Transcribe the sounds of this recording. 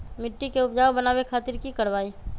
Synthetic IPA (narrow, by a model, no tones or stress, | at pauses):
mɪʈːikeʊp̚d͡ʒaːobənaːwekʰaːt̪ɪɾkikɐɾʋaːi